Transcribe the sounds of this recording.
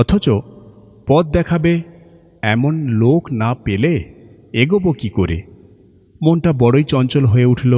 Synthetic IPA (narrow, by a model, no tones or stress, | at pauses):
ɔt̪ʰot͡ʃɔ | pɔt̪̚d̪ɛkʰabe | ɛmonloknapele | eɡobokikoɾḛ | monʈabɔɽojt͡ɕɔnt͡ʃɔlɦoeuʈʰilo